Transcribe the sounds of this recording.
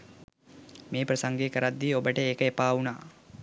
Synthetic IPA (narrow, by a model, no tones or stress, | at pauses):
meːprəsaŋɡeːkəɾad̪ːiːobəʈəeːkəepaːunaː